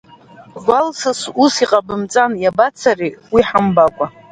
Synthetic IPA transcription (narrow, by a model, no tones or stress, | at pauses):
ɡʷalsɨsusiqʼabɨmt͡sʼanjabat͡sʰariwiħambakʷʼa